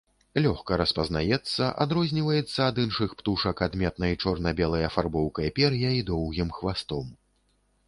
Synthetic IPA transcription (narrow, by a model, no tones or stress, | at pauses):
lʲɔxkɐɾɐspɐznajɛt̪sːɐʔa̰d̪ɾɔzʲnʲivɐjɛt̪sːɐːd̪ɨnʂɨxpt̪uʂɐkad̪mʲɛt̪nɐjt͡ʂɔrnɐbʲɛlˠɐjɐfarbɔwkɐjɛpʲɛrjɐid̪ɔwɣʲimxvast̪ɔm